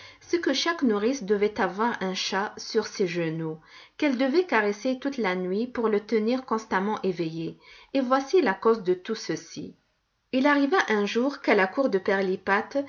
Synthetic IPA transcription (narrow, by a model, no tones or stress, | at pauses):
səkəʃaknuʁisd̪əvɛt̪avwaʁɛ̃ʃasyʁseʒənukɛld̪əvɛkaʁeset̪ut̪lanɥipuʁlət̪əniːʁkɔ̃st̪amɑ̃ʔevejeevwasilakozd̪ət̪usəsḭ | ilaʁivaʔɛ̃ʒuːʁkalakuʁd̪əpɛʁlipat̪